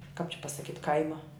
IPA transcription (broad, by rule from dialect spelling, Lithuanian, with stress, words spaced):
kɑːp t͡ʃʲɪ pɐsɐˈkʲiːtʲ ˈkɐɪmɐ